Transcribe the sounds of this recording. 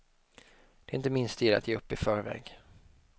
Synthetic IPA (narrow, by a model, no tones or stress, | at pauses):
d̪̥ɛɪnt̪əmɪnst̪jɪla̰t̪jeːɵpːɪfœːɾvɛ̰ːɡ